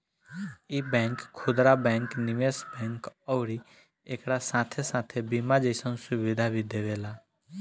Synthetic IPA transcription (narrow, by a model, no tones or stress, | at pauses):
ibɛ̃ːŋkʰːʊd̪ɾabɛ̃ːŋknɪʋeːsbɛ̃ːŋkɔʊɾi | eːkɾasãːt̪ʰesãːt̪ʰebimad͡ʒeɪsənsʊʋɪd̪ʱabʱid̪eːʋeːlaː